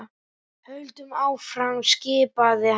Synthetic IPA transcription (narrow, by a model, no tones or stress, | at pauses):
hœɥlt̪ʏmaːwfɾamscɪːpaðɪh